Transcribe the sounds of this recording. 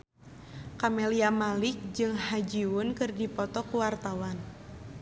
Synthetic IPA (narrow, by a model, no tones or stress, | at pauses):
kamɛliamalɪk̚d͡ʒɨŋhad͡ʒiwʊnkɨrdipɔt̪ɔkuwart̪awan